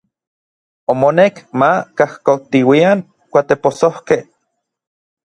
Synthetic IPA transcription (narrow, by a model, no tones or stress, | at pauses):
omonekmakahkot̪iwiaŋ | kʷat̪eposohkeh